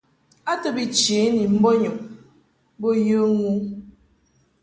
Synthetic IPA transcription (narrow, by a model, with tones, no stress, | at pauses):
a˦tɨ˦bi˨t͡ʃe˨˦ni˨m̩˦bo˦ɲo˨k | bo˦jə˦ŋu˦